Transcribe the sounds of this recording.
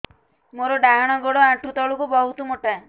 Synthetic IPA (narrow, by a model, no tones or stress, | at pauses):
moɾɔɖaɦaɽ̃ɔɡɔɽɔaʈʰut̪ɔɭukubɔɦut̪ɔmoʈa